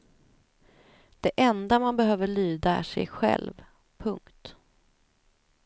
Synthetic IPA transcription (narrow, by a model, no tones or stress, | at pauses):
d̪̥ɛʔɛnd̪amanbɛɦøːvəɭyːd̪aæ̰ʂɛ̰jɧɛ̰lv | pʰɵŋkt̪